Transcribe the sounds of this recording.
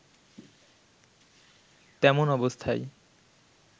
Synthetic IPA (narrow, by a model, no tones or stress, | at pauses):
t̪ɛmonɔbost̪ʰaj